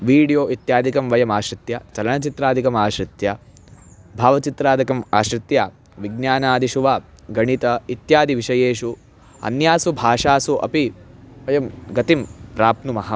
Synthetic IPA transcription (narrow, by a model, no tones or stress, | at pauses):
ʋiːɽijoːʔit̪jaːd̪ʱikɐmʋɐjɐmaːʃɾit̪jɐt͡ʃɐlɐɳɐt͡ʃit̪ɾaːd̪ʱikɐmaːʃɾit̪ja | bʱaːʋɐt͡ʃit̪ɾaːd̪ʱɐkɐma̰ːʃɾit̪jaː | ʋiɡnjaːnaːd̪iʃuʋaː | ɡɐɳit̪ɐit̪jaːd̪iʋiʃɐjeːʃu | ɐ̰njaːsubʱaːʂaːsuʔɐ̰piʋɐjɐmɡɐt̪impɾaːpnumɐɦɐ